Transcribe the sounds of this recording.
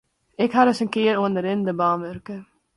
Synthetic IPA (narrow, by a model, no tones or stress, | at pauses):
ɛkɦaɾəsənkɪəɾuəndəɾɪndəbɑːnʋørkə